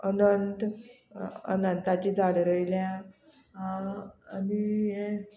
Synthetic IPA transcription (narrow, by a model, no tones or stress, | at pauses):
ənənt̪ | ə̰nənt̪at͡ɕiːd͡zʱaɽɾəjlja | ɦãanie